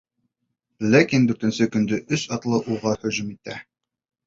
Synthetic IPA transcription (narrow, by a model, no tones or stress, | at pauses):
lækind̪ʉɾt̪ɘ̆nsɘkɵ̆nd̪ɵʔɵsɑt̪lˠɤʔuʁɑhɵ̆ʑʉmit̪æ